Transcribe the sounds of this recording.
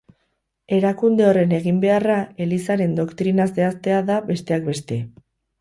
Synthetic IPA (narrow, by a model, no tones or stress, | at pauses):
e̞ɾakund̪e̞o̞re̞ne̞ɣimbe̞arae̞lisaɾe̞nd̪o̞kt̪ɾinase̞ast̪e̞aðaβe̞st̪e̞ak̚be̞st̪e̞